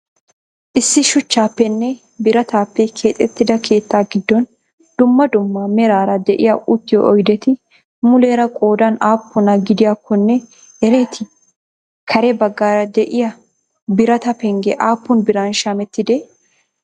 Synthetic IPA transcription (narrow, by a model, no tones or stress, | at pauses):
ʔɪsːɪʃʊt͡ʃːaːpːɛnːɛ | bɪɾɐt̪aːpːɛkʰe̞ːt̪ʼːɛt̪ːɪd̪ɐkʰe̞ːt̪ːaːɡɪd̪ːɔn | d̪̥ʊmːɐd̪ʊmːɐmɛɾaːɾɐd̪ɛʔɪjɐʔʊt̪ːɪjɔʔɔjd̪ɛt̪ɪ | mʊle̞ːɾɐkʼo̞ːd̪ɐnaːpːʊnɐɡɪd̪ɪjakːɔnːɛ | ɛɾe̞ːt̪ʰɪ | kʰɐɾɛbɐɡːaːɾɐd̪ɛʔɪjɐ | bɪɾɐt̪ɐpɛŋɡɛʔaːpːʊnbɪɾaːnʃaːmɛt̪ːɪd̪ɛ